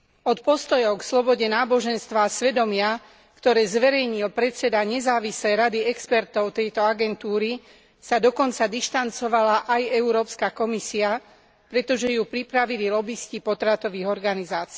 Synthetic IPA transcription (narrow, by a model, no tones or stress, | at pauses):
ɔt̪̚pɔst̪ɔjɔʊkslɔbɔɟɛnaːbɔʒɛnst̪ʋaːsʋɛd̪ɔmɪa | kt̪ɔɾɛːzʋɛɾɛjɲilpɾɛt̪t͡sɛd̪aɲɛzaːʋislɛjɾad̪iɛkspɛɾt̪ɔʊt̪ɛjt̪ɔaɡɛnt̪uːɾi | sad̪ɔkɔnt͡sad̪iʃt̪ant͡sɔʋalaʔajɛuɾɔːpskakɔmisia | pɾɛt̪ɔʒɛjuːpɾipɾaʋililɔbiscipɔt̪ɾat̪ɔʋiːɣɔɾɡanizaːt͡si